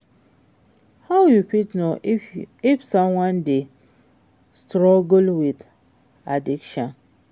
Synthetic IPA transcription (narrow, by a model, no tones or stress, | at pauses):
hawjupitno | ifsɔ̃mwãnde | stɾɔɡulwid | adikʃɔ̃n